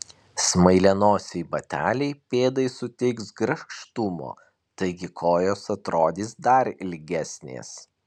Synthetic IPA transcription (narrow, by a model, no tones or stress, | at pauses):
smɐɪlʲɛnoːsʲɛɪbɐt̪ʲæ̰ːlʲɛɪpʲeːd̪ɐɪsʊt̪ʲɛɪksɡɾɐʃʃt̪ʊmo̰ː | t̪ɐɪɡʲɪkʰoːjoːsɐt̪ɾoːd̪ʲiːsd̪ɐɾɪlʲɡʲæsʲnʲḛːs